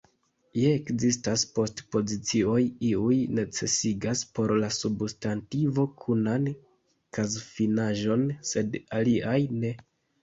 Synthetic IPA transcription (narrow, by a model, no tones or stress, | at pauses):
jeːkzistaspo̞stpo̞zit͡sio̞jiujne̞t͡se̞̰siɡaspo̞ɾlasubstantivo̞kʰunan | kazfinaʒo̞nse̞daliʔajne̞